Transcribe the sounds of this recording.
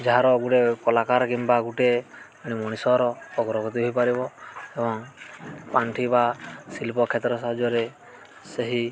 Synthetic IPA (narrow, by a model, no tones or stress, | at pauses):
d͡ʒaɾɔɡuʈekɔlakaɾkimbaɡuʈe | aɽ̃imɔɽ̃isɔɾɔːɡɾɔɡɔt̪̬iɦɔjpaɾibɔebɔŋpaɳʈʰibasilpɔkʰet̪ɾɔsad͡ʒɔɾe | seɦi